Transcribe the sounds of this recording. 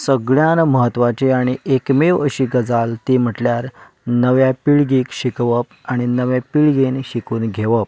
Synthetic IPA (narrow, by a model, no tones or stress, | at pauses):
səɡɭjanməɦət̪ːʋat͡ɕeaɽ̃iekmeʋəɕiːɡəd͡zalt̪im̤əʈljaɾ | nəʋjapiɭɡiːkɕikʋəpaɽ̃inəʋjepiɭɡenɕikuːnɡʱeʋəp̚